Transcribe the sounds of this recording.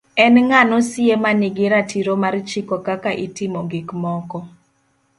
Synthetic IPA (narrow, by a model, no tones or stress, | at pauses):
ɛnŋanosɪemanɪɡɪɾatiɾomart͡ʃikokakaʔitɪmɔɡɪkmɔkɔ